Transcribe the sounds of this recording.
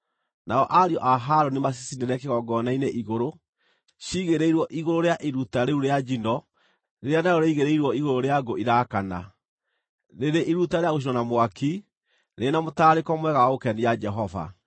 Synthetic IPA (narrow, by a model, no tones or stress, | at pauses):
naɔʔaɾiɔʔaɦaɾonimas̬isineɾeakeɣɔɡɔnaineʔiɣoɾo | ʃiɣeɾeiɾwɔʔiɣoɾoɾeaʔiɾutaɾeuɾead͡ʒinɔ | ɾeɾeanaɾɔɾeiɣeɾeiɾwɔiɣoɾoɾeaɡoʔiɾakana̰ | ɾeɾeʔiɾutaɾeaɣoʃ̬inɔnamwaki | ɾenamotaːɾekɔmwɛɣaokɛnijad͡ʒɛɦɔva̰